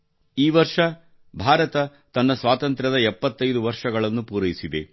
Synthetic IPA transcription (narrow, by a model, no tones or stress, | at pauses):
iːʋɐɾʂɐ | bʱaːɾɐt̪ɐ | t̪ɐnːɐsʋaːt̪ɐnt̪ɾɐd̪ɐɛpːɐt̪ːɐjd̪uʋɐɾʂɐɡɐɭɐnːupuːɾɐjisid̪e̞̰